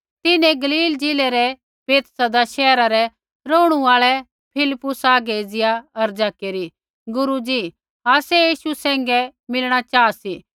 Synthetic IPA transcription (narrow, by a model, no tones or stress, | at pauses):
t̪ɪnɛ̃ɡɐliːld͡ʒɪːlɛɾɛ | peːt̪sɐd̪aʃɛːɾaɾɛ | ɾoːɽ̃uaːɭɛ | pʰɪlɪpːʊsaːɡeːd͡zɪjaɐɾd͡ʒaːkeɾi | ɡʊɾud͡ʒi | aːsɛjiːʃusɛ̃ːŋ̆ɡɛmɪlɽ̃at͡ʃaːsiː